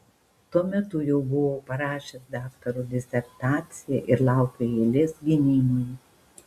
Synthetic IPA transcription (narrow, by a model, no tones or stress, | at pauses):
t̪uɔmʲɛt̪ʊjɛʊbʊʋoːpɐɾɑːʃʲesd̪ɑːkt̪ɐɾud̪ʲɪsʲɛɾt̪ɑːt̪sʲɪjɛʔɪɾlˠɑˑʊkʲoeːlʲɪsɡʲɪnʲinʲɪ